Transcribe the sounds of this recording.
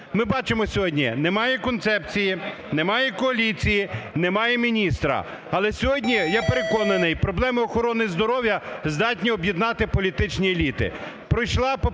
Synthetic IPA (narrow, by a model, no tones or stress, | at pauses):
mɪbɑt͡ʃemɔsʲɔɦɔdʲnʲḭnemɑjɛkɔnt̪sɛpt͡sʲiji | nemɑjɛkɔɐlʲit͡sʲijinemɑjɛmʲinʲist̪ɾɐ̰ | ɐlˠɛsʲɔɦɔdʲnʲijapeɾekɔnɐnɪjpɾɔblˠɛmɪɔxɔɾɔnɪzd̪ɔɾɔwjɐzd̪ɑtʲnʲiɔbjid̪nɑt̪ɪpɔlʲit̪ɪt͡ʃnʲielʲit̪ɪ̰ | pɾɔjʃlˠɑp